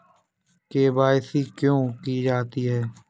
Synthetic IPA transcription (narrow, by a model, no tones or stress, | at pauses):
keːbaːsiːkjõːkiːd͡ʒaːt̪iːɦɛː